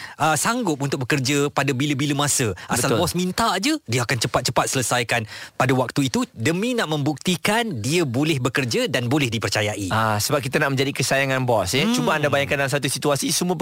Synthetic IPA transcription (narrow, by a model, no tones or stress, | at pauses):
ʔəsaŋɡʊp̚unt̪ʊk̚bəkərd͡ʒapadabiləbiləmasəʔasalbɔsmint̪aʔd͡ʒədiaakant͡ʃəpat̪̚t͡ʃəpat̪̚sələsajkanpadawak̚t̪uit̪udəmĩnaʔmə̃mbuk̚t̪ikandiəbolɛhbəkərd͡ʒadanbolɛhdipərt͡ʃajaʔiasəbap̚kit̪anaʔmə̃ɲd͡ʒadikəsajaŋãnbɔsət͡ʃubaandabajaŋkandalamsat̪̬usit̪uasisumũə